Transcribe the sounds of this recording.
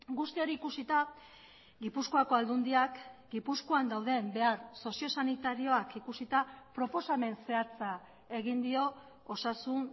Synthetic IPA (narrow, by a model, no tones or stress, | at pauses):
ɡust̪io̞ɾiːkusit̪a | ɡipusko̞ako̞ald̪und̪iakɡipuskoand̪awðe̞mbe̞aɾso̞sio̞sanit̪aɾio̞akikusit̪apɾo̞po̞same̞nse̞at͡sa | e̞ɣind̪io̞ | osasun